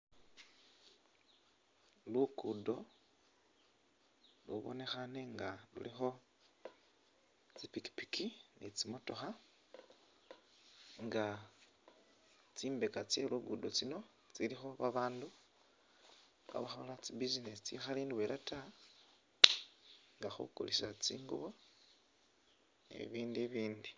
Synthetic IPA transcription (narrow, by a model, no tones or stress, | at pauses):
luɡ̥udo̞ | luβo̞̰ne̞xane̞ŋɡalṵlixo̞ | t͡sipiki̥pi̥kʰinit͡simo̞to̞xa | ŋɡa | t͡siːmbe̞kat͡se̞luɡudot͡sino̞ | t͡silixo̞βaβaːndu | ka̰βaxolat͡sibizinesit͡sḭxaliːndiwelʔata | ŋɡaxṵko̰lisat͡sḭːŋɡṵβo̞ | nḛβiːndiβiːndi